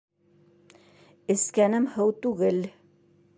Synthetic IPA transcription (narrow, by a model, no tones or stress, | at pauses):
ɘ̆skænɘmhɤwt̪uɣɘl